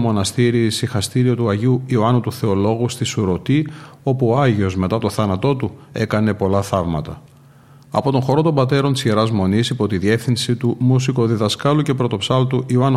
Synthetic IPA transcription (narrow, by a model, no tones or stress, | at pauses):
mo̞nɐst̪iɾisixɐst̪iɾio̞t̪uɐʝiuioɐnut̪uθe̞o̞lo̞ɣust̪isuɾo̞t̪io̞puoɐʝio̞zme̞t̪ɐt̪o̞θɐnɐt̪o̞t̪ue̞kɐne̞po̞lɐθɐvmɐt̪ɐ̰ | ɐ̰po̞t̪o̞nxo̞ɾo̞t̪o̞mbɐt̪e̞ɾo̞nt̪i̥zʝeɾɐzmo̞nisipo̞t̪iðie̞fθinsit̪umusiko̞ðiðɐskɐluce̞pɾo̞t̪o̞psɐlt̪uʔioɐn